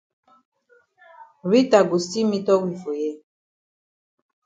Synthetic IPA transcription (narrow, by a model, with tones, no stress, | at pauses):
ɾi˦ta˨ɡo˨si˦mĩ˦tɔ˦wi˨fo˨jɛ˦